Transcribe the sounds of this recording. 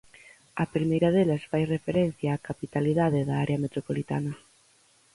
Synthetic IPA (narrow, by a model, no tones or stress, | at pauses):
ɐpɾimejɾɐðelɐsfajrefeɾɛn̟θjaːkapit̪aliðaðɪðaaɾeɐmet̪ɾopolit̪a̰nɐ